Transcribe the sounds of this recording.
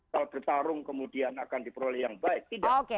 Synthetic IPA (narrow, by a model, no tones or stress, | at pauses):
alb̥ərt̪aɾʊŋkəmudianakandipəɾolɛhjaŋbaɪk̚t̪idaoke